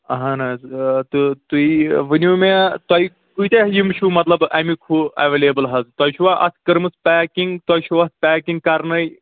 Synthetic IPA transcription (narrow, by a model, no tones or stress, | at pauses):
ɐɦɐ̃nɐzt̪ɨt̪uiʋɨnʲuːmet̪ɐi | kuit̪eɦjimt͡ʃʰumɐt̪lɐbʔɐmikʰuɐ̰ʋeːleːbɨlɦɐzt̪ɐjt͡ʃʰuʋaːʔɐ̰skɨɾmɨspʲæːkiŋɡt̪ɔjt͡ʃʰuʋɐspʲɛːkiŋɡ̚kɐɾnɐj